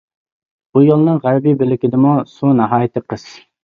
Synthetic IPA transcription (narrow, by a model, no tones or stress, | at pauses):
bujolˠnɨŋʁæɾbibelɪkʲɪd̪ɪmusunɑɦɑːjɪt̪ʰɪqʰəz̥